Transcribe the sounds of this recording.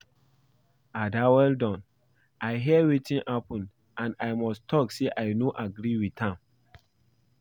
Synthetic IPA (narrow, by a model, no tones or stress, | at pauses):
adawɛldɔ̃n | ʔajɦiɛwitĩnhapɔ̃nd | ʔãnajmɔstʰɔkseʔaɪnoʔaɡɾiwidãm